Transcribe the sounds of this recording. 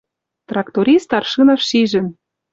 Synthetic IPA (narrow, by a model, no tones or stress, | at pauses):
t̪rɑkt̪oɾʲist̪ɑrʃɯnɑʃːiʒɘ̆n